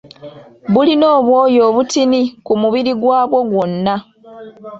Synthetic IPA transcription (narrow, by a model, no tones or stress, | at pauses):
βulino̞ːβwo̞ːjo̞ːβutinikumuβiɾiɡwaːβwoɡwo̞nːa